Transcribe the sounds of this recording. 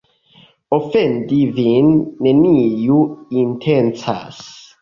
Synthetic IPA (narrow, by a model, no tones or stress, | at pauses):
ɔfɛnd̪ivinmenijuint̪ʰɛnt͡sa̰s